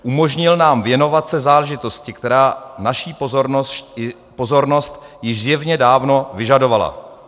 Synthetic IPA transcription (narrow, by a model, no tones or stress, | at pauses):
ʔumo̞ʒɲɪlnaːmvjɛno̞vat̪sɛzaːlɛʒɪt̪o̞scɪkt̪ɛɾaːnaʃiːpozoɾo | pozo̞ɾno̞st̪jɪʒzjɛvɲɛdaːvno̞vɪʒado̞vala̰